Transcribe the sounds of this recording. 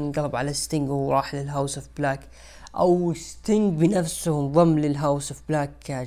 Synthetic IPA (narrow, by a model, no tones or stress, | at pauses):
nɡɑlbʕalast̪ɪŋɡuːɾˤɑːħlɪlɦawsofblaːk | ʔa̰wɪst̪ɪŋɡbɪnafsʊhnðˤɨmːlɪlɦawsofblaːk